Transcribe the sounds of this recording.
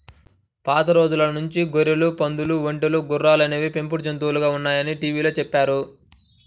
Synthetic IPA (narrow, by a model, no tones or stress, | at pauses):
paːt̪ɐɾo̞ːd͡ʒulɐnuɲt͡ʃiɡoɾilupɐnd̪uluʋeɳʈuluɡurːaːlɐneːʋipe̞mp̬uɾd͡ʒɐnt̪uːluɡaːunːaːjɐniʈiːʋiːlo̞ːt͡ʃɛpːaːɾu